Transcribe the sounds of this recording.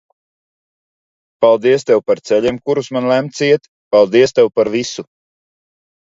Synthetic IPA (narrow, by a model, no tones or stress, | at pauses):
palˠd̪iɛst̪ɛwpaɾt̪sɛʎʲimkuɾusmanlʲˠæmt̪siɛt̪ | palˠd̪iɛst̪ɛwpaɾvisu